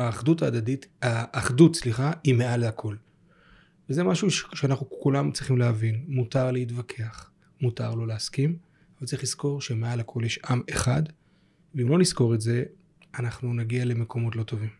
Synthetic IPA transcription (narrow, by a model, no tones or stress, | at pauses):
aːχdutaːdadithaʔːχdut̚t͡sliχaimealhakʰo̞l | vezemaʃuʃe̥ʃeanaχnukulamt͡sʁiχimleavinmutaʁleitvakʰe̞aχ | muta̰ʁlo̞leaskim | avalt͡saʁiχlisko̞ʁʃe̞me̞alhakʰo̞ljeʃʔame̞χad | veimlo̞nisko̞ʁetze̞ | anaχnunaɡiale̞me̞ko̞mo̞tlo̞to̞vim